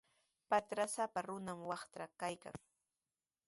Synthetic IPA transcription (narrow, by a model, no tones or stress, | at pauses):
pat̪ɾasapaɾʊnamwɑχt̪akajka̰ŋ